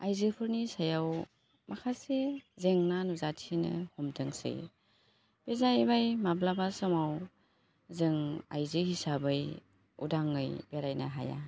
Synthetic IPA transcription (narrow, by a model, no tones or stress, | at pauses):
ajzɯpʰɯɾnisajaw | makʰasezeŋnanuzatʰinɯ̰hɔmdɯŋsḛj | bezajbajmablabasɯmaw | zɯŋa̰jzɯhisabɯj | ṵdaŋːɯjbeɾajna̰ɦa̰ja̰